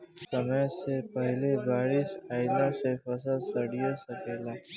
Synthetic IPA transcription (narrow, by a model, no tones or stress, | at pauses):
səməjsepəɦlebaːɾisaːɪlãsefɐsəlsəɽijosəkeːlaː